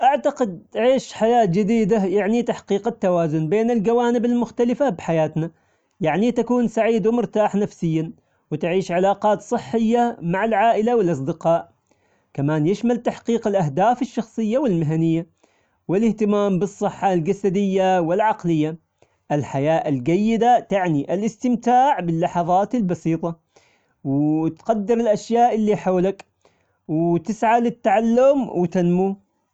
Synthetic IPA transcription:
ʔaʕt̪aqɪd̪̚aʕiːʃħajaːt̪̚d͡ʒɪd̪iːd̪ajaʕnit̪aħqiːqɪt̪ːawaːzʊnbeːnɪld͡ʒawaːnɪbɪlmʊxt̪alɪfabħajaːt̪na | jaʕnit̪akuːnsaʕiːd̪wɪmʊɾt̪aːħnafsɪjːa | wɪt̪ʕiːʃʕɪlaːqɑːt̪sˤɨħːɪjːamaʕalʕaːʔɪlawɪlʔɑs̬ˤd̪ɪqɑːʔ | kamaːnjɪʃmalt̪aħqiːqɪlʔaɦd̪aːfɪʃːɑxsˤɨjːawɪlmɪɦanɪjːa | wɪlɪht̪ɪmaːmbɨsˤːɨħːɑld͡ʒasad̪ɪjːawɪlʕɑqlɪjːa | ʔɪlħajaːʔɪlɡajːɪd̪at̪aʕniʔɪlʔɪst̪ɪmt̪aːʕbɪlːɑħɑðˤɑːt̪ɪlbɑsiːt̪ˤɑ | wt̪qad̪ːɪɾɪlʔaʃjaːʔɪlːiħawlak | wt̪ɪsʕalɪt̪ːaʕalːʊmwɪt̪anmuː

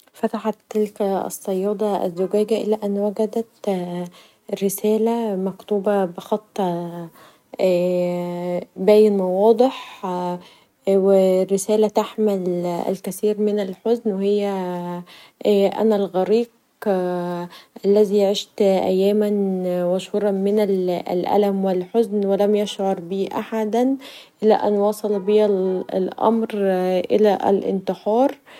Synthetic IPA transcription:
fæt̪aħɑt̪ːɪlkʔɑ̰sˤːɑjːɑːd̪ˤɑʔæ̰zːʊɡæːɡæʔɪ̰læːʔænːwæɡæd̪æt̪ | ɾɪsæːlæmɑkt̪uːbɑbɪxɑt̪ˤːɑ | bæːjɪnmɑwɑːd̪ˤeħ | werːɪsæːlæt̪aħmælʔæ̰lkæθiːɾmɪnælħoznwehejːæ | ʔæ̰nælɣæɾiːq̚ | ʔælːæziːʕeʃt̪ʔæ̰jːæːmænwæʃhuːɾˤɑmɪnællʔæ̰læmwɪlħʊznwælæmjæʃʕɑɾˤbiːʔaħad̪ænʔɪlæ̰ʔænwɑsˤɑlbiæl̰lʔɑ̰mɾʔɪ̰læʔlʔɪ̰nt̪ɨħɑːɾˤ

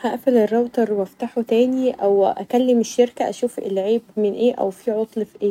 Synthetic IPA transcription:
hæʔæfælerˤːɑbt̪ˤɑɾˤwæft̪aħot̪æːniʔʔæwʔæ̰kælːemeʃːeɾkæʔæ̰ʃuːfʔḛlːʕiːbmɪnʔeːʔæ̰wfiʕot̪ˤlfiʔeː

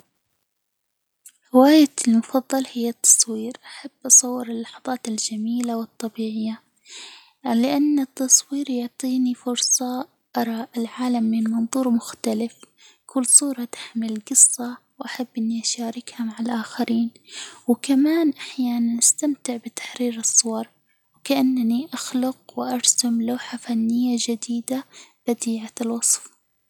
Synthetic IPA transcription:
ɾɪwaːjalmʊfɑðˤːɑlhɪjːat̪ːɑ̥sˤwiːɾʔaħabːʔɑsˤɑwːɪɾɪlːɑħɑðˤɑːt̪ɪld͡ʒamiːlawɨt̪ˤːɑbiːʕɪjːa | lɪʔanːɪt̪ːɑsˤwiːɾjʊʕt̪ˤiːnifʊɾsˤɑ | ʔɑɾˤɑːʔɪlʕaːlamːɪnmɑnðˤuːɾmʊxt̪alɪf | kʰʊlːsˤuːɾˤɑt̪ḁħmɪlɡɨsˤːɑwʔaħabːʔɪnːiʔaʃaːɾɪkhamaʕalʔaːxaɾiːnwɪkamaːnʔaħjaːnanʔast̪amt̪ɪʕbɪt̪ḁħɾiːɾɨsˤːʊwɑɾˤ | wkaʔanːaniʔaxlʊqwɪʔɑɾˤsamlaːħafanːɪjːad͡ʒɪd̪iːd̪ab̥ad̪iːʕalwɑsˤf

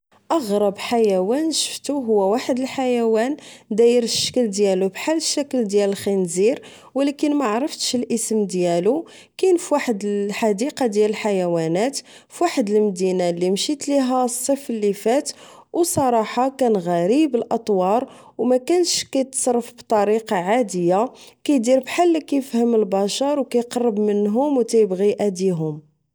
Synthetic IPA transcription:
ʔɑɣɾˤɑbħajæwænʃə̥ft̪uɦʊwːæwaħəd̪əlħajæwænd̪æjəɾəʃːə̥kəld̪jælubħalːəʃːækəld̪jæləlxinziɾ | wlækənmaʕɾˤəft̪əʃlʔəsəmd̪jælu | kænfwaħəd̪əħad̪iqɑd̪jæləlħajæwænæt̪ | fwaħəd̪əlmd̪inalːimʃit̪liɦæsˤːəfəlːifæt̪wsˤɑɾˤɑħɑkænɣæɾibəlʔɑt̪ˤwɑɾˤ | wmækænʃkæjt̪sˤɑɾˤːəfbt̪ˤɑɾiqɑʕad̪əjːakæjd̪iɾbħalːkæjəfhəməlbɑʃɑɾˤwkæjqɑrˤːəbmənɦʊmwt̪æjəbɣiʔæd̪iɦʊm

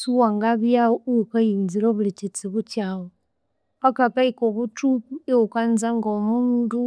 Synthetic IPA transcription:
suwaŋɡaβjaukajinziloβulit͡ʃit͡siβut͡ʃawo | akakaikoβutupueukanzaŋɡomuːndu

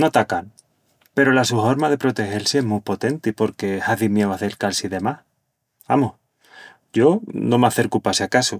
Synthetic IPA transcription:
not̪akan | pe̞ɾo̞lasuɦo̞ɾmaðe̞pɾo̞t̪e̞he̞lsieɦmupo̞t̪e̞nt̪ipo̞ɾke̞haðimjewaθelkalsiðe̞mah | amoh | ɟ͡ʝo̞nõ̞maθe̞ɾkupasakasu

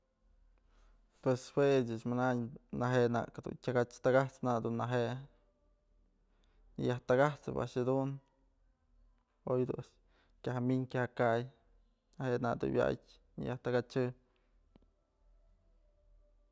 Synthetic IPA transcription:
pweswet͡ʃaʔsmanaɲnaɦeʔna̰kad̪ṵntʲaɡat͡ʃt̪aɡat͡snad̪unːaɦeʔ | ɲa̰jaht̪aɡat͡sɨ̰pa̰ʔaʂhad̪un | ojd̪ṵaʂ | kʲaɦaminkʲahakaj | naheʔna̰d̪ṵwja̰jʲ | ɲɨ̰jaht̪aɡat͡ʃɨ

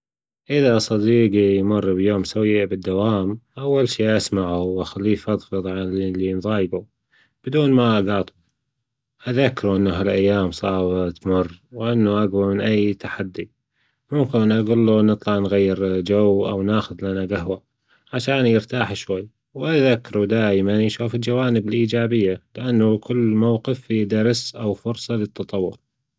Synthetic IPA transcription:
ʔɪðasˤɑd̪iːɡijmʊrˤːbjoːmsawɪjːbɪd̪ːawaːmʔawːalʃiːʔasmaʕuwʔaxalːiːfʔɑðˤfɨðˤʕalinðˤɑːjbu | b̥ɪd̪uːnmaʔɡɑːt̪ˤ | ʔaðakːɾuʔɪnːaɦalʔajːaːmsˤɑʕbt̪mʊrːwʔɪnːuʔaɡwamɪnʔajːt̪aħad̪ːi | mʊmkɪnʔanʔaɡuːlːunɨt̪ˤlɑʕnɣajːɪɾd͡ʒawːʔawnaːxʊðlanaɡaɦwa | ʕaʃaːnjəɾt̪aːħʃwajː | wʔaðakːɾud̪aːjmanjʃuːfɪld͡ʒawaːnɪbɪlʔiːd͡ʒaːbɪjːalɪʔanːukʊlːmawqɪfid̪ɑɾˤsʔawfʊɾsˤɑlət̪ːɑt̪ˤɑwːʊɾ

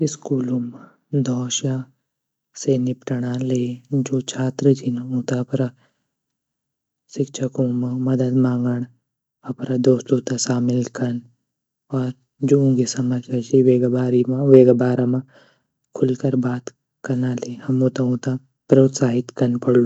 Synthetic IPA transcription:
ɪskuːlum | d̪ʱɔːʃa | senɪpʈɐɽ̃aleːd͡ʒoːt͡ʃʰaːt̪ɾəd͡ʒinaũːt̪apɾa | sɪkʃʰɐkõmamɐd̪əd̪mãːŋɡəɳ̃ | ɐpɾad̪oːst̪oːt̪asaːmɪlkɐn | ɔːɾ | d͡ʒoũɡisɐmɐd͡ʒɐd͡ʒiʋeːɡbaːɾimãʋeːɡabaːɾamã | kʰʊlkɐɾbaːt̪ | kɐɾnalehɐmũt̪ãɦũːt̪a | pɾoːt̪saːɦɪt̪kɐnpɐɽlu

